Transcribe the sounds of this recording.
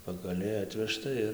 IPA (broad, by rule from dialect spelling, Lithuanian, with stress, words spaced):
pɐɡɐˈlʲɛɪ ˈɑːtʲʋʲɛʃtɐ ɪr